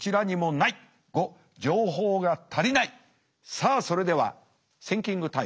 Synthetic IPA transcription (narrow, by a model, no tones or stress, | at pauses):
t͡ɕiɾaɲ̟imo̞nai | ɡ̥o̞ | d͡ʑo̞ːɦo̞ːɡat̪ʰaɾʲinai | saːso̞ɾe̞d̪e̞β̞a̰ | sẽ̞ŋkʲĩŋɡɯ̟t̪a